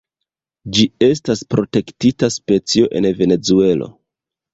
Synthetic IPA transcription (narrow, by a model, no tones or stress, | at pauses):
d͡ʒie̞staspɾo̞te̞ktitaspe̞t͡sio̞ʔe̞̰nve̞ne̞t͡sue̞lo̞̰